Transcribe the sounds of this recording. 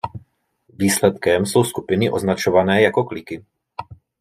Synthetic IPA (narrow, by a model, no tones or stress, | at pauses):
viːslɛt̪kɛmso̞wskupɪnɪʔo̞znat͡ʃo̞vanɛːjako̞klɪkɪ